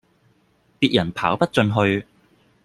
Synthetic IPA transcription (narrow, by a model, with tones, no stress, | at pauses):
piː˧t̚jɐ˨˩npʰa̰ː˨˥wpɐ˥t̚t͡sɵ˧nɦɵ˧ɥ